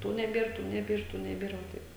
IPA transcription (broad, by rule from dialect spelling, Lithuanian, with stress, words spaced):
ˈtuː nʲɛˈbʲeːr ˈtuː nʲɛˈbʲeːr ˈtuː nʲɛˈbʲeːr ʋɐ ˈtɐɪp